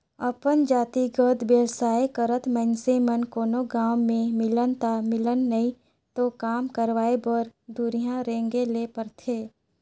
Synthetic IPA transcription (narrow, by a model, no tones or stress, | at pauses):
əpənd͡ʒaːt̪iɡəd̪beːwsaːekəɾət̪mə̃nsemənkoːnoɡãːwmẽmɪlənt̪amɪlənːəĩ | t̪okaːmkəɾʋaːebəɾd̪uɾijãɾẽːŋɡeleːpəɾt̪ʰeː